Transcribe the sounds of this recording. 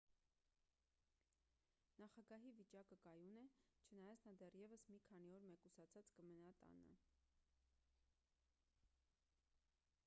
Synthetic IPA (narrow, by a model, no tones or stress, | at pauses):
nɑχɑɡɑɦivit͡ʃɑkəkɑjunɛt͡ʃʰənɑjɑt͡sʰnɑd̪ɛrjɛvəsmikʰɑniɔɾmɛkusɑt͡sʰɑt͡skəmənɑt̪ɑ̰nə̰